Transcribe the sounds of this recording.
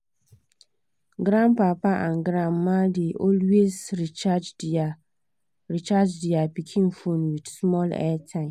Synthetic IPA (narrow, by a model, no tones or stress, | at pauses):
ɡɾãnpapaʔãnɡɾãnmãdeʔɔlwezɾit͡ʃad͡ʒ | ɾit͡ʃad͡ʒdiapikʰĩnfõnwid̥smɔlɛ̰tʰãɪ̃m